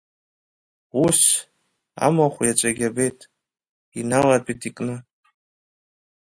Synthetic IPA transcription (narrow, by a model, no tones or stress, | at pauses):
us | a̰maχʷjat͡ʃʷʼaɡʲabejtʼ | inalapʼitʰʼikʼnɨ